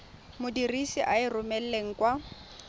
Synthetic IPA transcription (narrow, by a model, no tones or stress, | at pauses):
mʊdirisiʔaɪrʊmɛl̩leŋ̩kwa